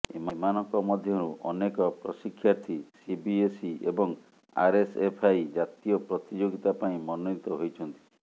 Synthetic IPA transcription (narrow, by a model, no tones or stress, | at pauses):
ememanɔŋkɔmɔd̪ʱjɔɾuʔɔnekɔpɾɔsikʰːjaɾt̪ʰisibiesiebɔŋ | a̰ɾesepʰajd͡ʒat̪ijɔpɾɔt̪id͡ʒoɡit̪apaĩmɔnɔnit̪ɔɦojt͡ʃʰɔnt̪i̥